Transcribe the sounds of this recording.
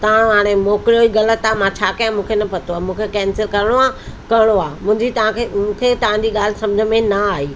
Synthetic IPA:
t̪ɐʋãɦaːɽ̃emɔːkɾijoiɣɐlət̪aːmãt͡ɕʰaːkɐjãmũːkʰenɐpɐt̪oaːmũːkʰekɛ̃ːnsɪlkɐɾɪɽ̃oakɐɾɪɽ̃oaːmʊ̃ːɪ̃ɲd͡ʑit̪ɐãkʰemũːkʰet̪ɐʋ̤ãd͡ʑiːɠaːl̤ɪ̆sɐ̃md͡ʑʱəmẽnɐaːɦiː

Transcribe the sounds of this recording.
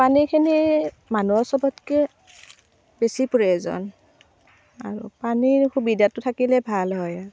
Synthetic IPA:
panikʰini | manuɔsɔbɔtkɛ | besipuɹɛzɔ̰n | a̰ɹṵpanixubidatʊtʰakilɛbʱalɦɔja

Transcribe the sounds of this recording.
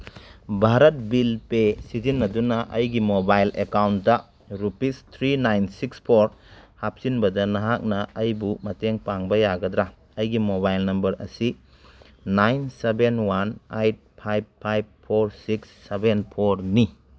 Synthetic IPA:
bʱaɾɐt̚bilpesizinːɐdunɐʔɐjɡimobajlekawntdɐ | ɾupistʰɾinajnsikspʰoɾhap̚sinbɐdɐnɐɦak̚nɐʔɐjbumɐteŋpaŋbɐjaɡɐdɾa | ɐjɡimobajlnɐmbɐɾɐ̰si | najnsebenwanajt̚pʰajb̚ʰajb̚pʰːoɾsiksːebenpʰoɾni

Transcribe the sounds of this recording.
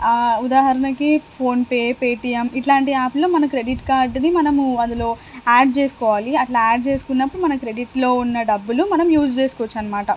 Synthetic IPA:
ud̪aːɦɐɾɐnɐkipʰo̞ːnpeːpeːʈijɐmiʈlaːɳʈiaːploːmɐnɐkɾeɖiʈkaːɾɖɐnimɐnɐmɐnd̪ulo̞ːaːɖ̚t͡ʃe̞ːsu̥kɔːʋaːliɐʈlɐaːɖ̚t͡ʃe̞ːsu̥kunːɐpːuɽumɐnɐkɾe̞ɖiʈlo̞ːunːɐɖɐbːulumɐnɐmjuːd͡ʒt͡ʃeːsu̥kɔʋɔt͡ʃːaːnːɐmaːʈɐ

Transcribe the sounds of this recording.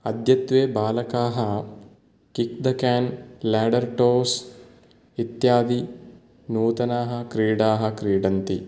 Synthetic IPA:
ɐd̪ʱjɐt̪ʋeːbaːlɐkaːɦɐ | kik̚d̪ɐkaːnlaːɖɐɾʈoːs | it̪jaːd̪i | nuːt̪ɐnaːɦɐ̆kɾiːɽaːɦɐ̆kɾiːɖɐnt̪i

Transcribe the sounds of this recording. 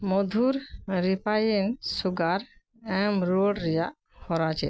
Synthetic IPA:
mɔd̪ʱuɾɾipajensuɡaɾ | ɛmɾoɖɾija | hɔɾat͡ʃɛ̰

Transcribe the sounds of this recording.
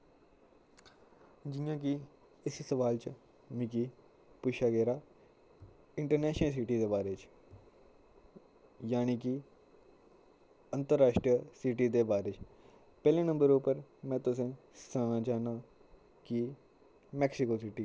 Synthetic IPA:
d͡ʒɪjãːk̬ɪ | ɪssəʋaːlt͡ʃ | mɪkiː | puːʃaːɡɛːɾaː | ɪɳʈəɾnɛːʃnəls̬iːʈiːd̪eːbaːɾeːt͡ʃ | jaːniːki | ənt̪əɾːaːʃʈɾiəsiːʈiːd̪eːbaːɾeːt͡ʃ | pɛːlẽːnə̃mbəɾupəɾmɛ̃ːt̪ʊsẽː | sãːnãːt͡ʃaːnaː | ki | mɛːksɪkoːsiːʈiː

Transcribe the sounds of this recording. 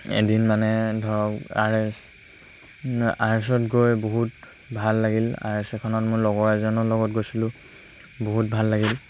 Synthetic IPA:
ḛdinmanɛdʱɔɹɔka̰ɹɛs | aɹɛs̬ɔtɡojboɦut | bʱalːaɡila̰ɹɛsɛkʰɔnɔtmʊɹlɔɡɔɹɛzɔnɔlɔɡɔtɡojsilʊ̃ | boɦut̚bʱalːaɡil

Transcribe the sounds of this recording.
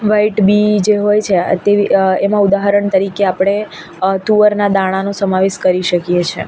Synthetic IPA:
ʋaiʈbid͡ʒeɦojt͡ʃʰet̪eʋiemãud̪aɦəɾəɳt̪əɾikeapɽ̃e | t̪uʋəɾnad̪aɽ̃anosəmaʋeʃkəɾiʃəkijet͡ʃʰḛ

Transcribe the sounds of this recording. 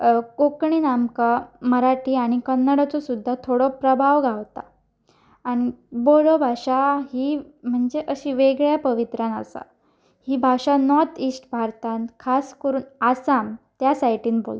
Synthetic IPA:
kokɳinamkaməɾaʈʰiːaɽ̃ikənːaɽat͡sɔsud̪ʱːat̪ʰoɽɔpɾəbʱaʋɡʱaʋt̪a̰ː | ɽ̃iboɽɔbʱaɕaɦiː | m̤əɳd͡zeʔəɕiːʋeɡɭjapəʋit̪ɾãnə̰sa̰ | hiːbʱaɕanɔt̪iːsʈbʱaɾt̪ãnkʰaskəɾuːnasamt̪jasajʈiːnbo̰lt̪

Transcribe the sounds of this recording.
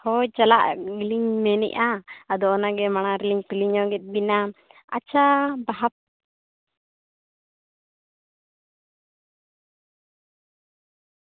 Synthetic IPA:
hɔjt͡ʃala̰ʔɡliɲmɛnɛ̰ʔaːd̪ɔʔɔnaɡɛmaɽ̃aɾɛliɲpiliɲɔɡɛt̪̚ˀbina | a̰t͡ʃabaɦap̚

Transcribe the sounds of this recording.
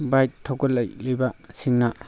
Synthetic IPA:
bajt̚tʰːɔɡɔlːajlajbasiŋna

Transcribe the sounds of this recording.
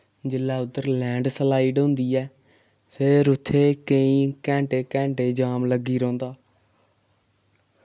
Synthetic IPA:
d͡ʒɪlːaːʊd̪əɾlɛ̃ːɳɖsəlaːiːɖɦʊ̃ːnd̪iːɛː | pʰɪɾʊt̪ʰːeːkəĩːkɛ̃ːɳʈeːkɛ̃ːɳʈeːd͡ʒaːmləɡːiːɾõːnd̪aː

